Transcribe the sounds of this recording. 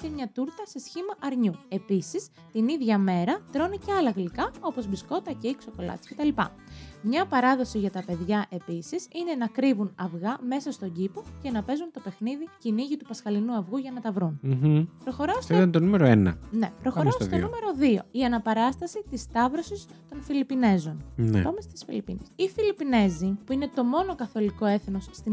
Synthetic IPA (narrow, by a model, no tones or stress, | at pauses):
cemɲɐt̪uɾt̪ɐse̞sçimɐʔɐɾɲue̞pisis | t̪iniðʝɐme̞ɾɐt̪ɾo̞niceɐlɐɣlikɐo̞po̞zbisko̞t̪ɐceikso̞ko̞lɐ̰t̪isce̞t̪ɐlipɐ̰ | mɲɐpɐɾɐðo̞siʝɐt̪ɐpe̞ðʝɐʔe̞pisisine̞nɐkɾivunɐvɣɐme̞sɐst̪o̞ɟipoce̞nɐpe̞zunt̪o̞pe̞xniðiciniʝit̪upɐsxɐlinuɐvɣuʝɐnɐt̪ɐvɾunpɾo̞xo̞ɾost̪ɐnt̪onumeɾoenɐ̰ne̞̰pɾoxɾosst̪onnume̞ɾo̞ðio̞iɐnɐpɐɾɐst̪ɐsit̪ist̪ɐvɾo̞sis | t̪o̞nfilipine̞zo̞nn̰pɐmest̪i̥sfḭlipḭnesifilipine̞zipuine̞t̪o̞mo̞no̞kɐθo̞liko̞e̞θnosːt̪i